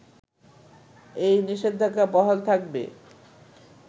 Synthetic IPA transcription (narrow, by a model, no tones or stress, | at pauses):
ejniʃed̪ʱːakːapɔɦolt̪ʰak̚bḛ